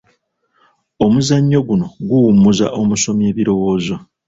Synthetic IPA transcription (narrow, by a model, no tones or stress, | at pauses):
omuzaɲːo̞ɡuno̞ɡuwumːuza̰ʔo̞muso̞mje̞ːβiɾo̞wo̞ːzo